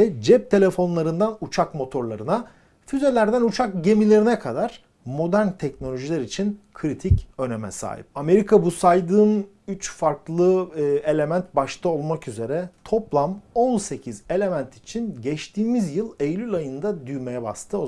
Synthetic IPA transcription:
ɛd͡ʒɛp̚t̪ʰe̞lʲe̞fo̞nlˠaɾɯnd̪anut͡ʃʰakmo̞t̪ʰo̞ɾlˠaɾɯna | fyze̞lʲæɾd̪ænut͡ʃʰakɟe̞milʲe̞ɾinɛkʰad̪aɾ̥ | mo̞d̪æɾnt̪ʰɛcno̞lʲo̞ʒilʲæɾit͡ʃʰinkʰɾit̪ʰicø̞nemɛ̰sa̰ːḭp̚ame̞ɾikʰabusajd̪ɯːn | yt͡ʃfaɾklˠɯe̞lʲe̞mænt̪̚baʃt̪ʰaolˠmakyze̞ɾɛt̪ʰo̞plˠamolˠse̞cʰize̞lʲe̞mænt̪ʰit͡ʃʰinɟɛt͡ʃt̪ʰiːmizjɯlˠejlʲylʲajɯnd̪ad̪yjme̞jɛba̰st̪ʰɯo

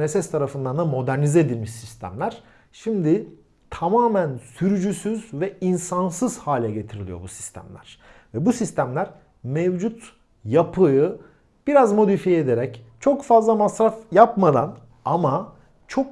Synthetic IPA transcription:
nesɛst̪ʰaɾafɯnd̪and̪amo̞d̪æɾnizɛed̪ilʲmiʃsist̪ʰæ̰mlʲæɾ̥ | ʃimd̪i | t̪ʰamaːmænsyɾyd͡ʒysyzvɛinsansɯz̥haːlʲɛɟe̞t̪ʰiɾilʲijo̰busi̥st̪ʰæ̰mlʲæɾ̥vɛbusist̪ʰæmlʲæɾ | mevd͡ʒut̪ | japʰɯjɯ | b̥iɾazmo̞d̪ifijɛed̪eɾɛc | t͡ʃʰo̞kfazlˠamasɾafjapmad̪an | ama | t͡ʃʰo̞k

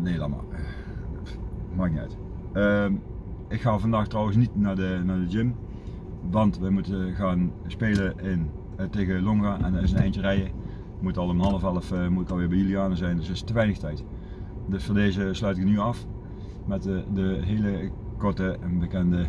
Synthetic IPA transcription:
neːlɑ̰ma̰ | maːk̚niœ̰t | ə | ɪkxaːvɑndaːxtrɔwənsnitnaːdənaːɹdəd͡ʒɪm | ʋɑntʋəmutəɣaːnspeːləʔɪn | teːɣəloŋɣaːʔɛ̰ndnɪsənɛjntərɛjə | mutɑlˠəmɦɑnəfɛlˠəfmutɪkɑlˠʋɪːɹbɛjyliaːnəzɛjndɵsɪstəʋɛjnəxtɛjt | dɵsfəndeːzəslœɥtɪknyɑf | mɛtdəɦeːləkɔɹtəbəkɛndə

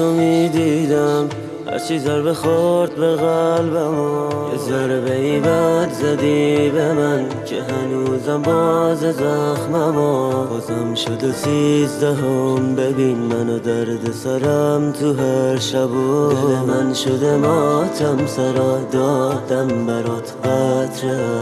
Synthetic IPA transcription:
omid̪id̪am | ha̰ɾt͡ʃʰizaɾbeχoɾt̪̚beɣalbamɔezaɾbeibat̪zad̪ibeman | kʲʰeɦanuzambɔzezaxmamɔɔzamʃod̪esizd̪æɦombebinmanod̪aɾd̪osaɾamt̪ʰuɦaɾʃabod̪emanʃod̪emɔt̪ʰamsaɾɔd̪ɔd̪ambaɾɔt̪ʰbat̪ʰɾa

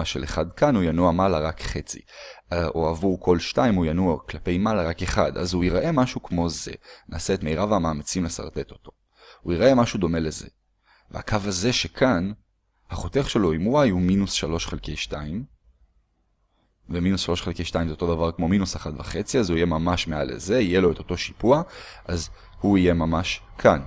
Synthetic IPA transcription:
aʃeleχad̪kanujanuamalaʁakχe̞t͡sḭ | uavuʁkʰo̞lʃtaimujanuaklape̞jmalaʁakeχad̪a̰zuiʁaʔe̞maʃukmo̞ze̞̰nʔaːseet̪mejʁaveamaːmat͡simlesa̰ʁt̪e̞t̪o̞̥t̪o̞ | uiʁae̞maʃud̪o̞me̞le̞ze̞̰ | veakʰavaze̞ʃe̞kʰan | haχo̞t̪eχʃe̞lo̞imuwajuminusʃalo̞ʃχelke̞jʃtaim | veminusʃalo̞ʃχelkejʃt̪aimzeot̪o̞davaʁkmo̞minusaχatvaχe̞t͡siazuije̞mamaʃme̞alḛze̞ije̞lo̞et̪o̞to̞ʃi̥puaaz | huije̞mamaʃ | kʰan

